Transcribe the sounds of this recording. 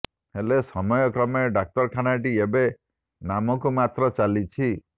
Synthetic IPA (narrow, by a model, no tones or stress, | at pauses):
helesɔmɔjɔkɾɔmeɖak̚ʈɔɾkʰanaʈiebe | namɔkumat̪ɾɔt͡ʃalit͡ʃʰi